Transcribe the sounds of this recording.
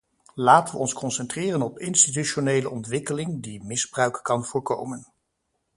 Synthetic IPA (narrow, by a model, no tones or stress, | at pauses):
laːtənʋəɔnskɔnsɛntrɪːrənɔpɪnstit̬yʃonejləʔɔntʋɪkəlɪŋdimɪzbrœɥkkɑnv̥ʊːɹkowmən